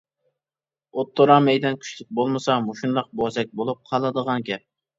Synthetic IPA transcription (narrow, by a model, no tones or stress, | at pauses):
ot̪ʰːoɾɑmɛjd̪ɛnkʲʰy̥ʃlyk̚ʲbolˠmɨsɑmoʃunlˠɑq̚bozɛk̚ʲbolˠup̚qʰɑlˠɨd̪əʁɑnɡʲɛp̚